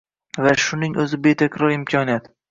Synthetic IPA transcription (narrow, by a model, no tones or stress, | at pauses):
vaʃʊnɪŋʔɵzɪbet̪ʰakʲɾɒɾɪmkʲʰɒnijat̪